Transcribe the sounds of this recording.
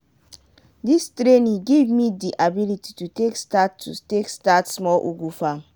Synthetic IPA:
distɾenĩɡevmidiʔabiliti̥tutekstatʰːṵtekstatsmɔlʔuɡufam

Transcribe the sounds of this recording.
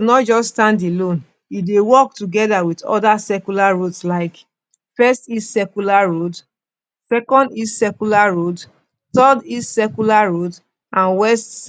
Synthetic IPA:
nɔtd͡ʒɔsstãndelõn | idewɔk̚tuɡɛdawitɔ̰dasɛkulaɹodslaɪk | fɛstistsɛkulaɹod | sɛkɔ̃ndistsɛkulaɹod | tɔdistsɛkulaɹod | ʔãnwɛst

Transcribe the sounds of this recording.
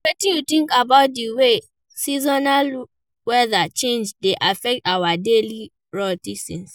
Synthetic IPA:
wɛtĩjutĩŋkabaʊt̚diwe | sizɔnal | wɛðat͡ʃẽnd͡ʒdeʔafɛk̚tawadeli | ɹɔtisɛ̃ns

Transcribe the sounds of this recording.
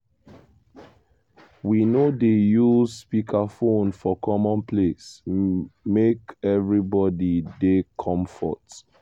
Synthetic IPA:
winodejuzspikʰafõnfɔkʰɔmɔ̃npʰles | mekɛvɹibɔdidekʰɔ̃mfɔ̰t

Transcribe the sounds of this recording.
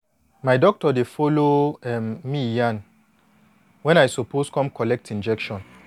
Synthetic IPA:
maɪdɔk̚tɔdefɔloɛmmijãn | wɛ̃najsopʰoskɔ̃mkɔlɛk̚tʰĩnd͡ʒɛkʃɔ̃n

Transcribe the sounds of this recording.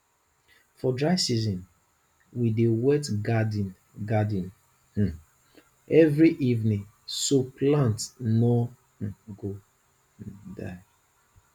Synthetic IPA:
fɔdɹaɪsizɔ̃n | widewɛtɡadn | ɡadĩn | h̩ | ɛvɹiʔivnĩŋ | soplãntnɔ | h̩ɡo | da̰ɪ

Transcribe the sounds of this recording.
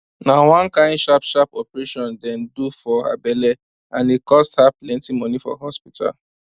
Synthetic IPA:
nawɔ̃nkãɪ̃ndʃapʃapɔpɛɹeʃɔ̃ndɛ̃ndufɔa̰bɛlɛ | ãnikɔsthaplɛ̃ntimɔnifɔ̰ɦɔspitʰa̰l

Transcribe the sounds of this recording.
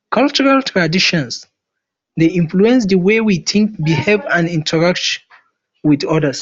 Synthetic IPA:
kʰʌlt͡ʃɔɹaltʰɹadiʃɔ̃ns | deʔĩɱfluɛ̃nsðəwewiθʰɪ̃ŋk̚bihevãnĩntʰəɹak̚t | wiðɔdəs

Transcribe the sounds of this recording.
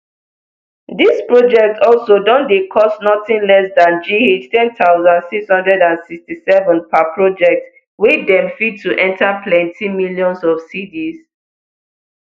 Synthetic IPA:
dispɹod͡ʒɛk̚tɔlsodɔ̃ndekʰɔstnɔtɪ̃nlɛsdãnd͡ʒiet͡ʃtʰɛ̃ntaʊzãndsikshʌ̃ndɹɛdãnsikstisɛvə̃npapʰɹod͡ʒɛk̚t | widɛ̃mfid̚tʰːuʔɛ̃ntʰapʰlɛ̃ntʰimiljɔ̃nsɔfsidiz

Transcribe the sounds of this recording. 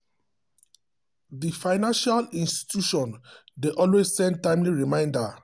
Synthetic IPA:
difaɪnãnʃalĩnsti̥tʰjuʃɔ̃ndeʔɔlwessɛ̃n̚tãɪ̃mliɹimãɪ̃nda

